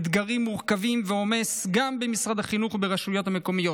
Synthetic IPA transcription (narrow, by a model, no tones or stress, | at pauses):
d̪ɡaʁimːuʁkavimveo̞me̞sɡambemisʁad̪haχinuχbeʁaʃujo̞t̪hame̞ko̞mijo̞